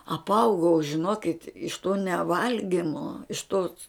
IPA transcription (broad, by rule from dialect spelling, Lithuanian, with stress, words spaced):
ɐpˈɐʊɡɐʊ ʒʲɪˈnoːkʲɪt ɪʃ toː nʲɛˈʋɐlʲɡʲɪmoː ɪʃ toːs